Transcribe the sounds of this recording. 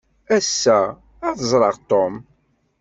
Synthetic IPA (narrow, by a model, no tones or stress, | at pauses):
æsːæ | ɑθəzˤɾˤɑʁt̪om